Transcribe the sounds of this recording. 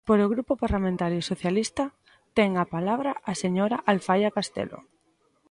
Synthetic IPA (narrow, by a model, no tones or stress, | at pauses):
poɾoɣɾupopaɾlamẽnt̪aɾjosoθjalist̪a | t̪eŋapalaβɾaʔaseɲoɾaʔalfajakast̪ḛlo̰